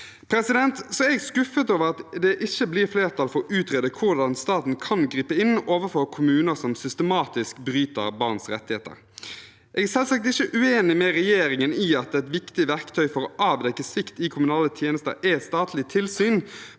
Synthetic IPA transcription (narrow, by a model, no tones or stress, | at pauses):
pʰɾɛsɪd̪ɛnt̪sɔɛɛɡskʉfət̪oːʋəɾɑt̪d̪ɛʔɪçːəblɪɾfleːʁt̪ʰɑlfɔɾʔʉːt̪ʁeːd̪əkʰʊʁd̪ɑnst̪ɑːt̪n̩kʰɑnɡɾiːpəɪnoːʋəfɔːkʰʊmʉːnəsɔmsʏst̪əmɑːt̪ɪskbɾyːt̪ə̰ɾbɑʁnsɾɛ̰t̪ːɪheːt̪ə̰ɾ | ʔɛɡæsɛlsɑkt̪ɪçːəʔʉeːnɪmɛɾɛjeːɾɪŋənɪɑt̪ɛt̪ʋɪkt̪ɪʋæʁkt̪ʰœʏfɔɾɔɑːʋd̪ɛkːəsɪkt̪ɪkʰʊmʉnɑːlət̪ʰjeːnəst̪ə̰ɾɛst̪ɑːt̪ʰlɪt̪ʰɪlsyːn